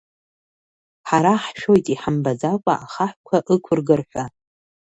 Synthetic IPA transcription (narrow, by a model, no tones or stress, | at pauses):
ħaɾaħʃᶣo̞jtʼiħambazakʷʼa̰ʔaχaħʷkʷʰaʔɨkʷʰʊrɡɨrħʷᶣa